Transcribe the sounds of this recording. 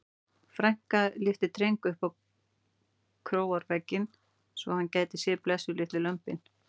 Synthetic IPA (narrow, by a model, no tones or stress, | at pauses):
fɾajŋ̥kalɪft̪ɪt̪ʰɾejŋkʏhpaw | kʰɾoːwaɾvɛcːɪn | svɔ̰hancaːjt̪ɪsɪːplɛsʏlɪht̪lɪlœmpɪn